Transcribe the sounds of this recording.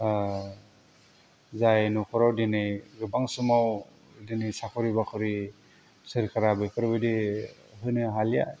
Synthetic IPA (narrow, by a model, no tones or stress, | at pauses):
zajnukʰɔɾawdinɯjɡɯbaŋsumaw | dinɯjsakʰɔɾibakʰɔɾi | sɯɾkʰaɾabɯjpʰɯɾbɯdi | ɦɯjnɯɦalija̰